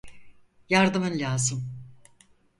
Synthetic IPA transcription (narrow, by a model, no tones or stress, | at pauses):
jaɾd̪ɯmɯnlʲaːzɯm